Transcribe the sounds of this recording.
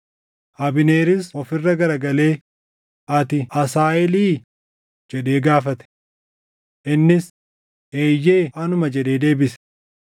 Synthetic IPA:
ʔɐbɪne̞ːɾɪsɔfɪrːɐɡɐɾɐɡɐle̞ː | ʔɐt̪ɪʔɐsaːʔɪliː | d͡ʒɛᶑe̞ːɡaːfɐt̪ɛ̥ | ʔɪnːɪs | e̞ːjːe̞ːʔɐnʊmɐd͡ʒɛᶑe̞ːd̪e̞ːbɪsɛ̥

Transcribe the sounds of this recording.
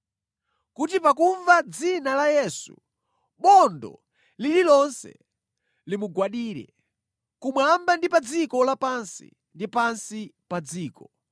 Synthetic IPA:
kut̬ipakuɱvad͡zinalajɛsṵ | ɓɔndɔ̰ | lililɔnsɛ̰ | limuɡwaɗiːɾɛ̰ | kumwambandipad͡zikɔlapansḭ | ndipansipad͡ziːkɔ

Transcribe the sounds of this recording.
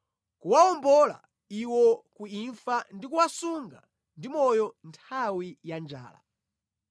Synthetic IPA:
kuwaɔmbɔla̰ | iwɔkuiɱfandikuwasuŋɡa | ndimɔjɔntʰawijand͡ʒa̰ːla̰

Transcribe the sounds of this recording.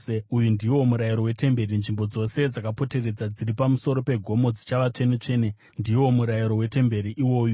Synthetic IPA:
ujundiwo̞muɾajiɾo̞we̞te̞mbe̞ɾinʐimbo̞d͡zo̞se̞d͡zakapo̞te̞re̞d͡zad͡ziripamuso̞ɾo̞pe̞ɡʱo̞mo̞d͡zit͡ʃaʋat͡ʂe̞net͡ʂe̞ːne | ndio̞muɾajiɾo̞we̞te̞mbe̞ɾiʔiwo̞ːju

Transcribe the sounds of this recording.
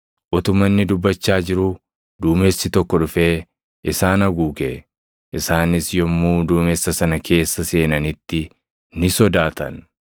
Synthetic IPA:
ʔɔt̪ʊmːɐnːɪd̪ʊbːɐt͡ʃːaːd͡ʒɪɾu | d̪uːmeːsːɪt̪ɔkːɔᶑʊfe̞ː | ʔɪsaːnɐɡuːɡe | ʔɪsaːnɪsjɔmːuːd̪uːmesːɐsɐnɐkʰe̞ːsːɐse̞ːnɐnɪt̪ːɪ | nɪsɔd̪aːt̪ɐ̰n

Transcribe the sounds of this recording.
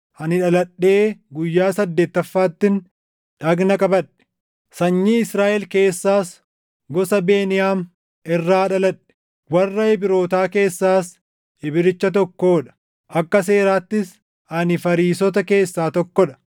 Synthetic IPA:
hɐnɪᶑɐlɐᶑːe̞ːɡʊjːaːsɐd̪ːe̞ːt̪ːɐfːaːt̪ːɪn | ᶑɐɡnɐkʼɐbɐᶑɛ̥ | sɐɲːiːɪsɾaːʔɛlke̞ːsːaːs | ɡɔsɐbe̞ːnɪjaːm | ʔɪrːaːᶑɐlɐᶑɛ̥ | wɐrːɐɛbɪɾo̞ːt̪aːke̞ːsːaːs | ɪbɪɾɪt͡ʃːɐt̪̬ɔkːoːᶑɐ̥ | ʔɐkːɐse̞ːɾaːt̪ːɪs | hɐnɪfɐɾiːsɔt̪̬ɐke̞ːsːaːt̪ɔkːɔᶑɐ̥

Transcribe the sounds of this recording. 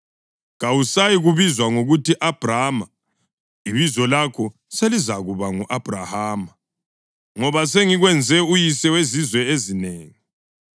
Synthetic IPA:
ɣawusajiɣuβizwaŋoɣutiʔab̥rama | iβizɔlakʰɔ | selizaɣuβaŋuʔab̥ʱra̰haːma | ŋɔβas̬eŋiɣwɛnd͡zʱɛujisɛwezizwɛezineːŋi

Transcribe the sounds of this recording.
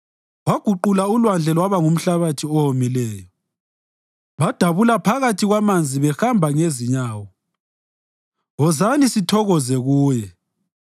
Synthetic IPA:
waɡ̥ʱuǃulaulwand͡ɮʱɛlwaβaŋum̩ɬaβatʰiɔhomilɛːjɔ | βad̥ʱaβulapʰaɣatʰiɣwamand͡zʱiβɛxambʱaŋeziɲaːwɔ | ɣɔzanisitʰɔɣɔzɛɣuːjɛ

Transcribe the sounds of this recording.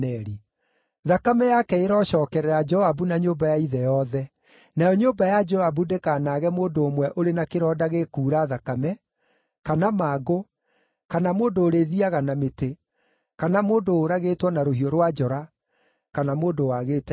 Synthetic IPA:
ɛɾi | ðakamɛjakɛeɾɔːʃɔːkɛɾɛɾad͡ʒɔaβunaɲoːbajaiðɛjɔðɛ | najɔɲoːmbajad͡ʒɔabudekanaɣɛmoːndoːmwɛʔoɾenakeɾɔdaɣekuːɾaðakamɛ | kanamaːɡo | kanamoːndoːɾeðiaɣanamete | kanamoːndoːɾaɣeːtwɔnaɾohiɔɾwad͡ʒɔɾa | kanamoːndowaɣeːtɛ

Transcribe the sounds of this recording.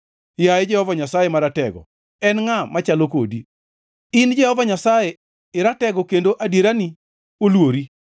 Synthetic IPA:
jajɛd͡ʒɛhɔvaɲasajɛmaɾatɛɡɔ̰ | ɛnŋamat͡ʃaloko̰di | ɪnd͡ʒɛhɔvaɲasajɛ | ɪɾatɛɡɔkendoʔadeɾani | olwoɾi

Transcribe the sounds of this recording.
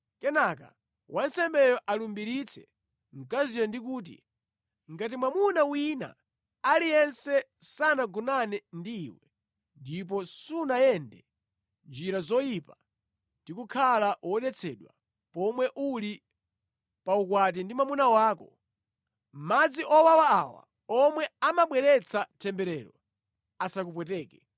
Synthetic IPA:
kɛnaka̰ | wʔansɛmbɛjɔʔalumbiɾit͡sʰɛ̥̰ | ŋ̩kazijɔndikuːt̬ḭ | ŋɡat̬imwamunawina̰ | alijɛnsɛ | sanaɡunanɛndiːwɛ | ndip̬ɔsunajɛndɛ | nd͡ʒiɾazɔjipa | ndikukʰalawɔɗɛt͡sʰɛɗwa̰ | pɔmwɛʔuli | paukwat̬indimwamunawaːkɔ | m̩mad͡ziʔɔwawa̰ːwa̰ | ɔmwɛamaɓwɛɾɛt͡sʰatʰɛmbɛɾɛːɾɔ̰ | asakupwɛtɛːkɛ

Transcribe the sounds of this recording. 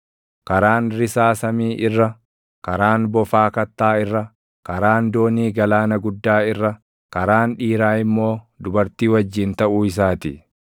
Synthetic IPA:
kɐɾaːnɾɪsaːsɐmiːʔɪrːɐ | kɐɾaːnbɔfaːkɐt̪ːaːɪrːɐ | kɐɾaːnd̪o̞ːniːɡɐlaːnɐɡʊd̪ːaːɪrːɐ | kɐɾaːnᶑiːɾaːɪmːo̞ː | d̪ʊbɐɾt̪iːwɐd͡ʒːiːnt̪ɐʔuːɪsaːt̪ɪ

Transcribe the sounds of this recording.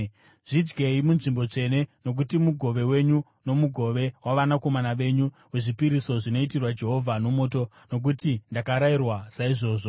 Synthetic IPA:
ʐid͡ʒɡe̞imunʐimbo̞t͡ʂe̞ne̞no̞k̬utimuɡʱo̞ʋe̞we̞ɲu | no̞muɡʱo̞ʋe̞waʋanako̞manaʋe̞ɲu | we̞ʐipiɾiso̞ʐino̞itirwad͡ʒe̞ɦo̞vʱano̞mo̞ːto̞ | no̞k̬utindakaɾairwasaiʐo̞ːʐo

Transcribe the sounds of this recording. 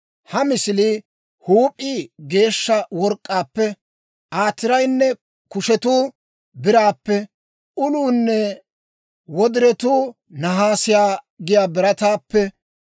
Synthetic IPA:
hɐmɪsɪlɪ | huːpʼːiɡe̞ːʃːɐwɔɾkʼːaːpːɛ | ʔaːt̪ːɪɾɐjnːɛ | kʊʃɛt̪uː | bɪɾaːpːɛ | ʊluːnːɛ | wɔd̪ɪɾɛt̪uː | nɐɦaːsɪjaː | ɡɪjaːbɪɾɐt̪aːpːɛ

